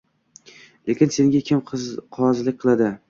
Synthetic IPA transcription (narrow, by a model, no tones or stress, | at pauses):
le̞kʲɪnse̞ŋɡʲakʲʰɪmqʰɒzlɪk̚ʲqʰɨlˠad̪ɪ